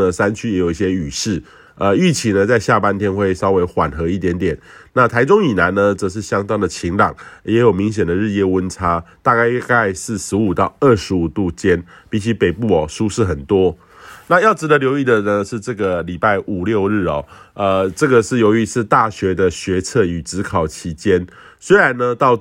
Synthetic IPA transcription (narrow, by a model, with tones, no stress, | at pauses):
ə˨sa˦nt͡ɕʰy˥jɛ˧˥jo˨˩i˥˧ɕjɛ˥y˨˩ʂɻ̩˥˩ | ə˧y˥˩t͡ɕʰi˨˥nə˧t͡sa˥˧ɪɕja˥˨pa˥˦nt̪ʰjɛ˥nxwe˥˩ɪʂɑ˥ʊwe˧˥ɪxwa˨˩nxɤ˧˥i˥˩t̪jɛ˧˥nt̪jɛ˨˩nna˥˨t̪ʰa˧˥ɪʈ͡ʂʊ˥˦ŋi˨˩na˧˦nnə˧t͡sə˨˩ʂ̬ɻ̩˥˩ɕjɑ˥ŋt̪ɑ˥ŋd̪ə˨t͡ɕʰi˧˥ŋlɑ˨˩˦ŋjɛ˧˥jo˨˩ʊmi˧˥ŋɕ̬jɛ˨˩nd̪ə˩ɻ̩˥˧jɛ˥˩wə˦nʈ͡ʂʰa˥t̪a˥˧ka˥˧ɪka˥˧ɪsɹ̩˥˩ʂɻ̩˧˥u˨˩t̪ɑ˥˧ʊə˥˩ʂɻ̩˧˥u˨˩t̪u˥˩t͡ɕjɛ˥n | pi˨˩t͡ɕʰi˧˥pe˨˩ɪpu˥˩ɔ˨˩ʂu˥ʂɻ̩˥˩xə˨˩nt̪wɔ˥ | na˥˧jɑ˥˩ʊʈ͡ʂɻ̩˧˥d̪ə˨˧ljo˧˥ʊi˥˩d̪ə˨nə˧ʂɻ̩˥˧ʈ͡ʂɤ˥˩ɡə˨li˨˩pa˥˩ɪʔu˨˩ljo˥˧ʊɻɻ̩˥˩ɔ˨˩ə˧ʈ͡ʂɤ˥˩ɡə˩ʂɻ̩˥˩jo˧˥ʊy˧˥t͡s̩ʰ˥˧t̪a˥˩ɕɥɛ˧˥d̪ə˨ɕɥɛ˧˦˥t͡sʰɤ˥˩y˨˩ʈ͡ʂɻ̩˧˥kʰɑ˨˩ʊt͡ɕʰi˧˥t͡ɕjɛ˥n | swe˥ɪɻa˧˦nːə˧t̪ɑ˥˧ʊ